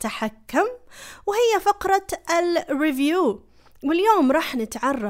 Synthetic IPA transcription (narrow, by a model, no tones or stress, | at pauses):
t̪aħakːʊmwhɪjːafɑqɾˤɑɪlrɪvjuː | wɪljoːmɾˤɑːħnɪt̪ʕɑrˤːɑ